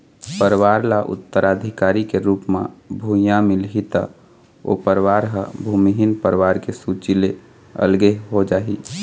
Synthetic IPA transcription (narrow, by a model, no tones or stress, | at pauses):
pəɾwaːɾlaʔʊ̰t̪ːəɾaːd̪ʱikaːɾikeɾuːpmã̰bʱujãmilɦit̪a̰ | o̰pəɾwaːɾɦəbʱumiɦinpəɾʋaːɾkesut͡ʃile | ə̰lɡeɦod͡ʒaːɦḭ